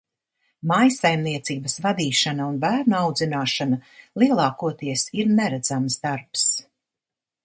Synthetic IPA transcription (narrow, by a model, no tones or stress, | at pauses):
majsajmniɛt̪siːbəsvad̪iːʃanaunbæːɾnuawd̪zinaːʃanalˠiɛlˠɑːkuɔt̪iɛsiɾnɛɾæd̪z̥amsd̪aɾps